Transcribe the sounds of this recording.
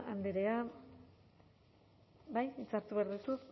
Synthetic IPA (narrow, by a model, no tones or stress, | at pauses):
and̪eɾea | bajit͡saɾt̪uβeaɾðit̪us